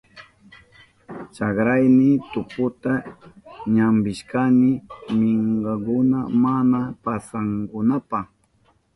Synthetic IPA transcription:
t͡ʃɑkɾajnɪt̪ʊpʊt̪a | ɲambɪʃkanɪmɪŋɢɑkʊna̰manapasaŋkʊnapɑχ

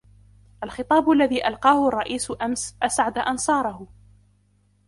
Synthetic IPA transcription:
ʔalxɨt̪ˤɑːbʊʔalːaðiːʔɑlqɑːhʊrˤːɑʔiːsʊʔamsʔasʕad̪aʔɑnsˤɑːɾˤɑhʊ

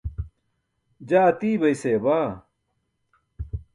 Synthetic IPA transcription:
d͡ʑaːɐt̪iːbɐiseːbaː

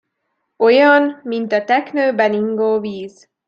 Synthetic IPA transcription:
o̞jɒnmint̪ɒt̪ɛknøːbɛniŋɡoːviːz

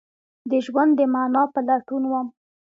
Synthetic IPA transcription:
d̪əʒwand̪ːəmanɑpəlaʈunwam

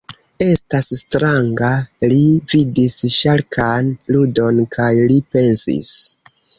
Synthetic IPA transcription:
e̞stasstɾaŋɡalividisʃalkʰanludo̞nkʰajlipe̞nsḭs

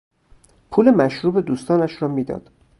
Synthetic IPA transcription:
pʰuːlemæʃɾuːbe̞d̪uːst̪ɒːnæʃɾɒːmiːd̪ɒ̰ːd̪̥

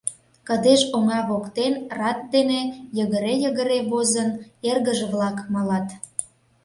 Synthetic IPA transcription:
kə̆d̪eʃoŋɑβokt̪enrɑt̪̚d̪enejəɣəɾejəɣə̆ɾeβozənerɣəʒeβlɑkmɑlɑt̪

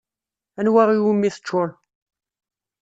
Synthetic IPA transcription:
ænwæʁiwəmːiθə̥t͡ʃːʊɾ

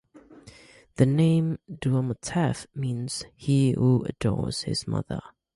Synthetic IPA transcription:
ðɨnẽɪ̃mduəmətʰɛfmĩːnz̥hihuə̰dɔ̰ɹz̥hɪ̰z̥mʌ̰ðə̰˞

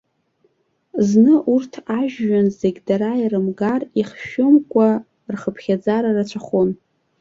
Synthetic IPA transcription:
znɨʔurtʰaʒːanzeɡʲdaɾairɨmɡariχʃʊmkʷʼa | rχəpʰχʲad͡zaɾarat͡ɕʷʰaχon

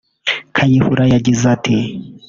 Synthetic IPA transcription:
kʰajihuɾajaɟizatʰi

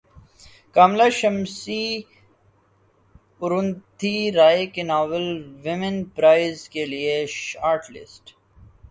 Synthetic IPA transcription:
kaːmlaʃɐmsi | ʊɾʊ̃nt̪iɾaːekenɔːʋəlʋɪmə̃npɾaːɪzkelieʃaːɾʈlɪ̰sʈ

